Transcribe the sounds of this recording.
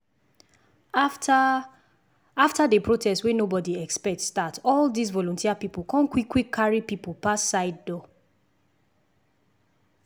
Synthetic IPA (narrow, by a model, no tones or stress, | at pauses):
aftadepɹotʰɛstwenobɔdiɛkspɛk̚tsdatɔldis̬vɔlɔ̃ntiapipokɔ̃nkwikːwikʰːaɹipipolpasːaɪd̚dɔ